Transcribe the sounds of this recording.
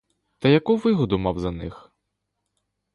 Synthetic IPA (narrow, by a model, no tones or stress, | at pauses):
t̪ɐjɐkuʋɪɣɔd̪umawzɐnɪx